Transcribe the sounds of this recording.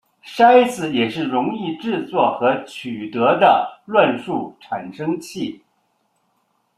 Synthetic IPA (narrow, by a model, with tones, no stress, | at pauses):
ʂa˥ɪt͡sɹ̩˧˩jɛ˨˩ʂɻ̩˥˩ɻʊ˧˥ŋi˥˧ʈ͡ʂɻ̩˥˧t͡swɔ˥˩xɤ˧˥t͡ɕʰy˨˩t̪ɤ˧˥d̪ə̰˧lwa˥˧nʂu˥˩ʈ͡ʂʰa˨˩nʂɤ˥ŋt͡ɕʰi˥˩